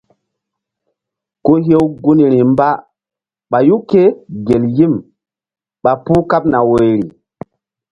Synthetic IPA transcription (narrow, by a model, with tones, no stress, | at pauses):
ko˦ɦe˦wɡu˦ni˨ɾi˨mba˦ | ɓa˨ju˦ke˦ɡe˨lji˦˨m | ɓa˨pu˦ka˦p̚na˨we˨ɾi˨